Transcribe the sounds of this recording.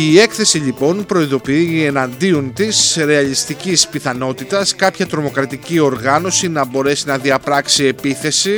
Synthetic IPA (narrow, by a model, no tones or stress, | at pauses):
ie̞kθe̞siʎipo̞npɾo̞iðo̞piie̞nɐnd̪iont̪isɾe̞ɐlist̪icispiθɐno̞t̪it̪ɐskɐpçɐt̪ɾo̞mo̞kɾɐt̪icio̞ɾɣɐno̞sinɐbo̞ɾe̞sinɐðiɐpɾɐksie̞piθe̞si